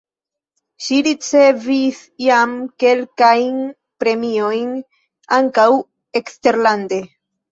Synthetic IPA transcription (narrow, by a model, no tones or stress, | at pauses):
ʃiɾit͡se̞vis | jamke̞lkajn | pɾe̞mio̞jn | aŋkaw | e̞kste̞ɾlande̞